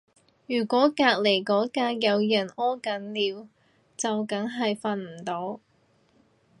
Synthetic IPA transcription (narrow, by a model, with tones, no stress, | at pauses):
jyː˨˩kʷɔː˨˥kaː˧k̚le˨˩jkɔː˨˥kaː˧jɐ˨˧wjɐ˨˩nɔː˥kɐ˨˥nliː˨˧w | t͡sɐ˨wkɐ˨˥ŋɦɐ˨jfɐ˧nm̩˨˩t̪o˨˥w